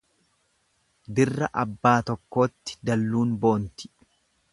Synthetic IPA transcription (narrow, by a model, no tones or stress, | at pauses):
d̪ɪrːɐʔɐbːaːt̪ɔkːo̞ːt̪ːɪ̥d̪ɐlːuːnbo̞ːnt̪ɪ̥